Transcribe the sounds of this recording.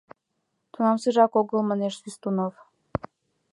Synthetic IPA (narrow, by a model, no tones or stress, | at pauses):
t̪unɑmsɯʒɑkoɣə̆lməneʃsyst̪unov